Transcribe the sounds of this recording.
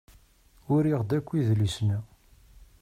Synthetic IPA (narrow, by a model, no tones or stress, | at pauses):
ʊɾiʁd̪ækʷːiðlisnæ